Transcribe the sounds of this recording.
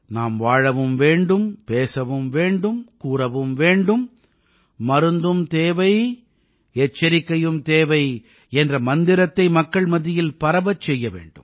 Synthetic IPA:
naːmʋaːɻɐʋɯmʋeːɳɖɯmpeːsɐʋɯmʋeːɳɖɯmkuːrɐʋɯmʋeːɳɖɯmː | ɐɾɯnd̪ɯmt̪eːʋɐɪ | ɛt͡ʃːɐɾɪkːɐjɯmt̪eːʋɐɪ | ɛndrɐmɐnd̪ɪɾɐt̪ːɐɪmɐkːɐɭmɐðɪjɪlpɐɾɐbɐt͡ʃːɛjːɐʋḛːɳɖɯ̰m

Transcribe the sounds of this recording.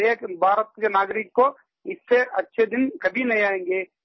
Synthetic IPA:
ebʱaːɾət̪̚kenaːɡɾɪkːo | ɪsːeʔɐtːʃʰed̪ɪnkɐbʱinɐɦĩaːẽːŋɡeː

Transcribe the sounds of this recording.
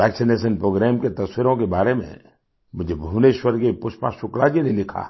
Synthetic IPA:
ɛːksɪneːʃ̬ənpɾoːɡɾɛːmket̪ɐswɪɾõkebaːɾemḛ̃ | mʊd͡ʒʱebʱuːneːʃwəɾkepʊʃpã̰ʃʊkɽad͡ʒinelɪkʰa̰ː

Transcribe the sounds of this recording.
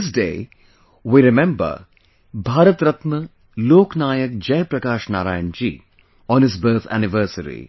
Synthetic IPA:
s̬dḛː | wiɾɪmɛ̃mbə̰ | bʱaːɾɐt̪ɾɐt̪mə | loːknaːjɐk̚d͡ʒɐjpɾɐkaːʃna̰ːɾaːjənd͡ʒḭː | ɔ̃ːnɪs̬bəːt̪ʰæ̰nɪʋəɾsəɾḭ

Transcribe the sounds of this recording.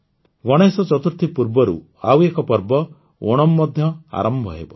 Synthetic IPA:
ɡɔɽ̃esɔt͡ʃɔt̪uɾt̪ʰipuɾbɔɾṵ | a̰wekɔpɔɾbɔ | oɽ̃ɔmːɔd̪ʱjɔa̰ɾɔmbʱɔɦḛbɔ

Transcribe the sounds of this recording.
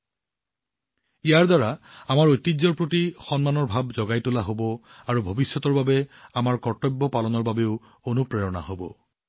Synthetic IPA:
ijaɹdaɹaamaɹojtːizɔɹpɹotixɔnmanɔɹbʱabzɔɡajtulaɦobɔaɹubʱobisːɔtɔɹbabɛamaɹkɔɹtɔbːɔpalɔnɔɹbabeʊ | onupɹɛɹɔna̰ɦobɔ̰

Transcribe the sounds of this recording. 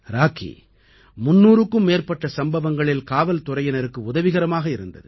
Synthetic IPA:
ɾaːkḭ | mʊnːuːɾɯkːɯmːeːrpɐʈːɐsɐmbɐʋɐŋɡɐɭɪlkaːʋɐlt̪ʊɾɐjɐnɐɾɯkːɯʊðɐʋɪɣɐɾɐmaːɣɐɪɾɯnd̪ɐ̰ðɯ

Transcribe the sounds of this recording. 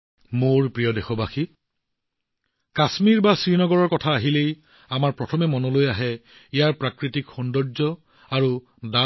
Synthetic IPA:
moɹpɹijɔdexɔbaxi | kasmiɹbasɹinɔɡɔɹɔɹkɔtʰaːɦilej | amaɹpɹɔtʰɔmɛmɔnɔlojaɦɛ | ijaɹpɹakɹitikxɔndɔɹzɔ | aɹu | da

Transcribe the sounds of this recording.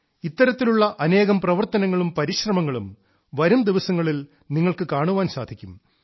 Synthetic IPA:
it̪ːɐɾɐt̪ːiluɭːɐʔɐne̞ːɣɐmprɐʋɐrt̪ɐnɐŋːɐɭumpɐɾiɕrɐmɐŋːɐɭum | ʋɐɾumd̪iʋɐsɐŋːɐɭil | niŋːɐɭkɨkaːɳuʋaːnsaːd̪ʱikʲːum

